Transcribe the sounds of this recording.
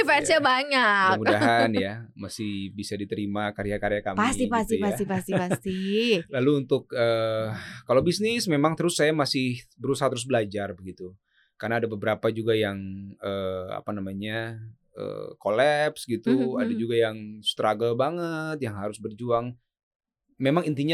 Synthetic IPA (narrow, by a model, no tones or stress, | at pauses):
ifɛɾsabaɲakmudaɦanjamasɪhbisadit̪əɾimakaɾjakaɾjakamasipast̪iasipast̪ɪast̪ilaluːnt̪ʊk̚əːkalowbisnɪsmemaŋt̪əɾʊsːajamasɪhbəɾusahat̪əɾʊs̬bəlad͡ʒarbəɡit̪u | karnaːdabəbəɾapad͡ʒuɡajaŋəa̰panamaɲa | ə̰kolɛpsɡit̪ua̰dad͡ʒuɡajaŋst̪ɾaɡəlbaŋət̪̚jaŋɦaɾʊsbərd͡ʒuaŋ | memaŋint̪iɲa